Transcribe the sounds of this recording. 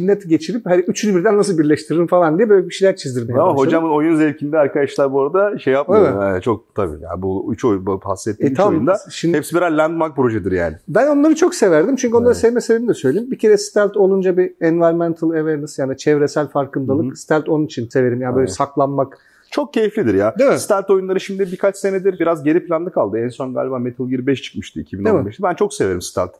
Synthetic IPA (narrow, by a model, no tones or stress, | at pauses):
inːɛt̪ʰɟe̞t͡ʃʰiɾiphad̪iyt͡ʃʰynbiɾd̪ænːasɯlˠbiɾlʲɛʃt̪ʰiɾeɾimfalˠand̪ijɛbøjlʲɛbiʃilʲæɾ̚t͡ʃʰizd̪iɾmeamaɦod͡ʒamɯno̞junzɛɾcʰinʲd̪ɛaɾkad̪aʃlˠaɾbuoɾad̪aʃejːapmaɛt͡ʃʰo̞k̚t̪ʰabḭja̰buyt͡ʃʰojbha̰sijet̪ʰːiaand̪aʃimɛpsibiɾallʲːænd̪mak̚pɾo̞ʒɛd̪ɯɾja̰ːnɪbæno̞nlˠaɾɯt͡ʃʰo̞ksevæɾd̪imt͡ʃʰyɲʲcyo̞nˠaɾasɛvmɛsevɾiid̪ɛsø̞jlʲejimbicʰe̞ɾɛst̪ʰælʲt̪ʰo̞lˠund͡ʒabiɛnvaɾmɛnt̪ʰɯlˠeveɾnɯsjaːnit͡ʃʰɛvɾesælʲfaɾkɯnd̪alˠɯkst̪ʰælʲt̪ʰo̞nunit͡ʃʰinse̞ve̞ɾimjabøjlʲɛsaklˠanmak | t͡ʃʰo̞k̚cʰːe̞jiflʲid̪iɾjad̪emst̪ælʲt̪o̞junlˠaɾɯʃimd̪ibikʰat͡ʃse̞ned̪iɾbiɾazɟe̞ɾipʰlʲand̪ˠɯkʰalˠd̪ɯɛnso̞nɡa̰ːlʲibaːmet̪ʰɯlˠjiɾbɛʃt͡ʃʰɯ̥kmɯʃt̪ɯicʰibinembɛʃt̪ibænt͡ʃʰo̞kse̞ve̞ɾimsi̥t̪ʰæ̰lʲt̪